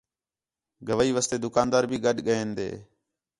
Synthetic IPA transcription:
ɡʱəʋːiːʋəːst̪eːd̪ʊkaːnd̪aːɾbʱiːɠəɗɠəeːnd̪ḛː

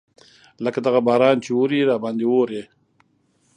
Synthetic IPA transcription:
ləkad̪aɣabɑːɾɑːnt͡ʃeoɾiɾɑːbɑnd̪ewoɾe

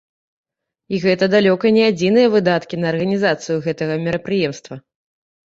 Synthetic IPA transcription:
iɣɛt̪ɐd̪alʲɔkɐnʲɛad͡zʲinɨjɐvɨd̪at̪kʲinɐːrɣɐnʲizat̪sɨjuɣɛt̪ɐɣɐmʲɛɾɐpɾɨjɛmst̪vɐ

